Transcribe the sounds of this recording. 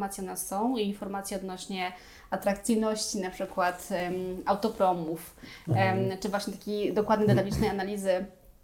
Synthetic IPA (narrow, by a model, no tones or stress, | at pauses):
mat̪sʲjɛɔnassɔ̃w̃iinfɔɾmat̪sʲjɛɔd̪nɔɕɲɛ | at̪ɾakt̪sɘjnɔɕt͡ɕinapʂɘkwat̪awt̪ɔpɾɔmuf | t͡ʂɘvwaɕɲɛt̪akʲijd̪ɔkwad̪̚ɲɛd̪ɛt̪abʲit͡ʂnɛjanalʲizɘ